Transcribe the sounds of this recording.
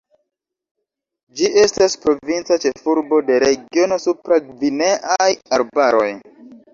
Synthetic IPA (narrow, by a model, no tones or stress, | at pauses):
d͡ʒiʔe̞staspɾo̞vint͡sat͡ʃe̞fuɾbo̞de̞ɾe̞ɡio̞no̞supɾaɡvineʔajaɾbaɾo̞j